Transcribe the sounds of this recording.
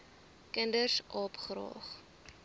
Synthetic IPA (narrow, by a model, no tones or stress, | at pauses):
kəndərsʔɑːpχrɑ̰ːχ